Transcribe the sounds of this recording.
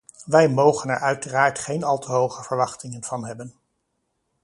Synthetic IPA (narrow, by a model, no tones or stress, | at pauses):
ʋɛjmowχənɛɹʔœɥtəraːɹtχejnɑlˠtəɦowχəv̥əɹʋɑχtɪŋənv̥ɑnɦɛbən